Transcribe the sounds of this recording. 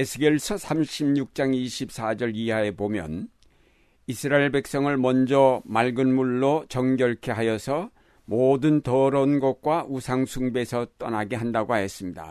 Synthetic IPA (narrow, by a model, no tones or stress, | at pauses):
esʰɯɡeɭsʰʌsʰamɕʰibɲuk̚t͡ɕ͈aŋiɕʰip̚s͈ad͡ʑʌɾiae̞bomjʌ̰n | isʰɯɾaeɭbek̚s͈ʌŋɯɭmʌnd͡ʑʌmaɭɡɯnmuɭːot͡ɕʌŋɡjʌɭkʰe̞ɦajʌsʰʌ | modɯntʌɾʌnɡʌk͈waʔusʰaŋsʰuŋbe̞sʰʌt͈ʌnaɡe̞ɦandaɡoaɦes͈ɯmɲida̰